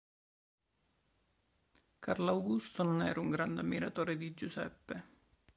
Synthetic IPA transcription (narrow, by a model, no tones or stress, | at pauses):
karlawɡust̪ononɛːɾuŋɡɾand̪eamːiɾat̪oːɾed̪id͡ʒusɛ̰pːe